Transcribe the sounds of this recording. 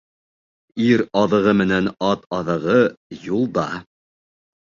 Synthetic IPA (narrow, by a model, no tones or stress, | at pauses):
iɾɑðɤ̆ʁɤmɘ̆nænɑt̪ɑðɤ̆ʁɤjulˠd̪ɑ